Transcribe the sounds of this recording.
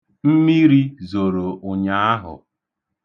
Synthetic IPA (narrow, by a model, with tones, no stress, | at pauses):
m̩˦mi˦ɾi˦zo˨ɾo˨ʔʊ˨ɲa˨˦a˦ɦʊ̰˨